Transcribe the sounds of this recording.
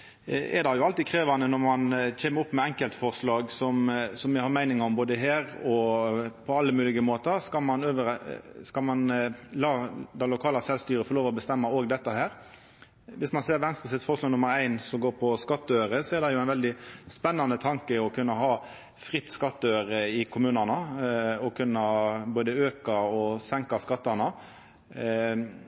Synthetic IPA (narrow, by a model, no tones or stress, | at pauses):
ɛɾd̪ɑjʊɑlt̪ikʰɾeːʋɑnənɔʁmɑnc͡çʰeːməɾʊpːmɛɛŋkəlt̪fɔʁʂlɑːɡsɔmsɔmjɛhɑɾmæɪnɪŋɔmboːd̪əɦæːɾɔpʰɔɑlːəmʉːlɪɡəmoːt̪əskɑlmɑnøːʋəɾskɑlmɑnlɑːd̪ɛlʊkʰɑːlɑsɛlst̪yːɾəfɔːloːʋɔbəst̪ɛmːɑoːɡd̪ɛt̪ːəhæːɾ | ʋɪsmɑnseːɾʋɛnst̪ʁəsɪt̪fɔʁʂlɑːɡnʊməɾæɪnsɔmɡoːɾpʰɔskɑt̪ːəøʏɾəsɔɛɾd̪ɛjʊæɪnʋɛld̪ɪspɛnːɑnət̪ʰɑŋkəɔkʰʉnːəɦɑː | fʁɪt̪ːskɑt̪ːøːʏɾəɪkʰʊmʉːnɑnɑɔkʰʉnːɑboːd̪əøːkɑɔsɛŋkɑskɑt̪ːɑnɑ